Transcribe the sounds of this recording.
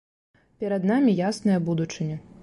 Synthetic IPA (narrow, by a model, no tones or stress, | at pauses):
pʲɛɾɐd̪namʲijasnɨjɐbud̪ut͡ʂɨnʲɛ